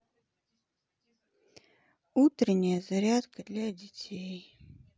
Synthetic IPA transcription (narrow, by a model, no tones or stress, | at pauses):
ut̪ɾʲɪnʲːɪjəzɐɾʲat̪kəd̪lʲadʲɪtʲʰej